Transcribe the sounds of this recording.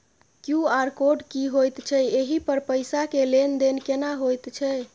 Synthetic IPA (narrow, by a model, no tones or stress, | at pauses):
kjuaɾkoɖkiɦojt̪t͡ʃʰɛeɦipəɾpəjsakelend̪enkenaɦojt̪t͡ʃʰɛ